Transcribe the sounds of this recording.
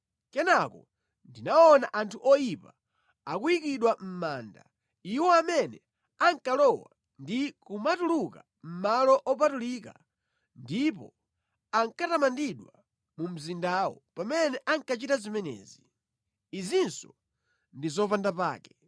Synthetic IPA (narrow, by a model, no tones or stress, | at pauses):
kɛnakɔ | ndinaɔnaʔantʰuʔɔjipa | akujikiɗwam̩maːnda̰ | iwɔamɛnɛ | aŋkalɔwa̰ | ndikumatuluka̰ | m̩malɔʔɔpatulika̰ | ndip̬ɔ̰ | aŋkatamandiɗwa | mum̩zindawɔ̰pamɛnɛʔaŋkat͡ʃitazimɛnɛ̰ːzi | izinsɔ | ndizɔpandapa̰ːkɛ